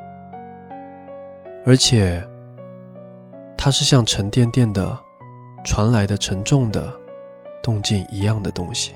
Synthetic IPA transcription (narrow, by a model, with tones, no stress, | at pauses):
ə˞˧˥t͡ɕʰjɛ˨˩ | t̪ʰa˥ʂɻ̩˥˧ɕjɑ˥˩ŋʈ͡ʂʰə˧˥nt̪jɛ˥˧nt̪jɛ˥˩nd̪ə̰˩ | ʈ͡ʂʰwa˧˥nla˧˥ɪd̪ə˧ʈ͡ʂʰə˧˥nʈ͡ʂʊ˥˩ŋd̪ə̰˩ | t̪ʊ˥˧ŋt͡ɕi˥˩ni˧˥jɑ˥˩ŋd̪ə˩t̪ʊ̰˥ŋɕi̥˨˩